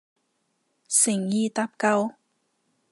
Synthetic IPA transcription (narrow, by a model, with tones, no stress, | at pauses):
sɪ˨˩ŋjiː˧t̪a˧˥p̚kɐ˧w